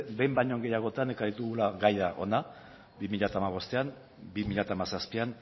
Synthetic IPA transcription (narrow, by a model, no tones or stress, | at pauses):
be̞jmbaɲo̞ŋɡe̞jaɣ̞o̞t̪ane̞kaɾit̪uɣulaɡajðaʔo̞̰na | bimiʎat̪aːmaβ̞o̞st̪e̞an | bimiʎat̪aːmasaspian